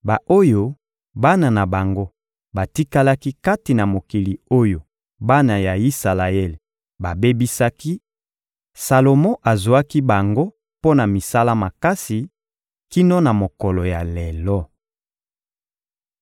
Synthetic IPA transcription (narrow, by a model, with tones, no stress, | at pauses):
ba˨ʔo˦jo˦ | ba˦na˨na˨ba˨ŋɡo˦ | ba˨ti˦ka˦la˦ki˦ka˦ti˨na˨mo˨ki˨li˨o˦jo˨ | ba˦na˨ja˨i˦sa˨la˨ɛ˦l | ba˨be˦bi˦sa˦ki˦ | sa˨lo˨mɔ̃˦ʔa˨zwa˦ki˦ba˨ŋɡo˦ | po˦na˨mi˨sa˦la˦ma˨ka˦si˨ | ki˦nɔ˦na˨mo˨kɔ˨lɔ˨ja˨lɛ˨lɔ˦